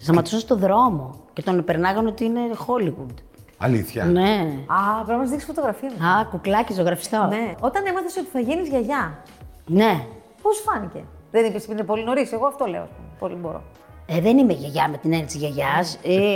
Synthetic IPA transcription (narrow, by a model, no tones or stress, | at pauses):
st̪ɐmɐt̪isost̪o̞ðɾo̞mo̞ce̞t̪o̞npeɾnɐɣɐnot̪iine̞xo̞liɣud̪ | ɐ̰lḭθçɐ̰neɐpeɐmɐszðiksfot̪oɣɾɐfiɐmɐkuklɐcest̪oɣɾɐfi̥st̪oneot̪ɐnimɐθesot̪i̥θɐʝenizʝɐʝɐ | ne̞ | posfɐnice̞̰ | ðenipesipinepo̞lino̞ɾiseɣoɐft̪o̞leo̰ɐspumepoliboɾo̰ | eðenimeʝɐʝɐme̞t̪inenit̪sizʝɐʝɐse